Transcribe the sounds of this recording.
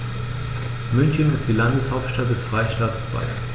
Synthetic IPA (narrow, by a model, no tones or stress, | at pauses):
mʏnçənɪstd̥iːlandəshaʊp̚tʃtat̚d̥ɛsfʁ̥aɪʃtaːtsb̥a̰ɪ